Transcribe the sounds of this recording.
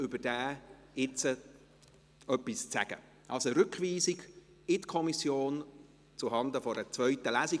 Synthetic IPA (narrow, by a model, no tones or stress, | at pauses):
ʏbəd̥æː | ɪt͡sə | œpːist͡sæ̰ɡ̥ə̰ | ʔɑ̰lsoɾʏkviːziɡ | ɪtkʰɔmisjoːn | t͡suɦɑnd̪əfɔɾət͡svœʏtəlæːsi